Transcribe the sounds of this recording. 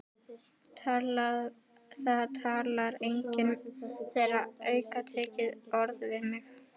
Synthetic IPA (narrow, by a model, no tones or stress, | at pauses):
θat̪ʰaːlaɾejɲcɪnθejraœːɥkat̪ʰɛːcɪðɔɾðvɪmɪx